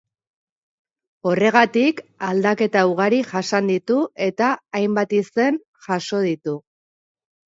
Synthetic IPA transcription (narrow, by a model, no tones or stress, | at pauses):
o̞re̞ɣ̞at̪ikald̪ake̞t̪auɣ̞aɾiʝasand̪it̪ue̞t̪aːjmbat̪ise̞n | ʝaso̞ð̞it̪u